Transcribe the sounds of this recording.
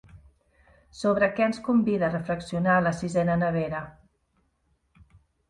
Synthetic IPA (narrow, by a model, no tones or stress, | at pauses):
soβ̞ɾəkɛənskumbiðərəfləksiunaləsizɛnənəβ̞eɾə